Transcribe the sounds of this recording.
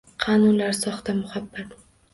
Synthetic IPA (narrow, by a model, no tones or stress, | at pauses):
qʰɑːnʊnlaɾsɒχt̪amʊhabːat̪